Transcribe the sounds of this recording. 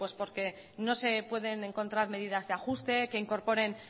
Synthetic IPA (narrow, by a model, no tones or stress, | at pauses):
we̞spo̞ɾke̞ | no̞se̞pwe̞ðe̞nẽ̞ŋko̞nt̪ɾaɾme̞ðið̞azðeaxust̪e̞ke̞iŋko̞ɾpo̞ɾe̞n